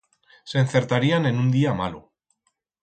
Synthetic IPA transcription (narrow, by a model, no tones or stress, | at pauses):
se̞nθe̞ɾt̪aɾiane̞nund̪iama̰lṵ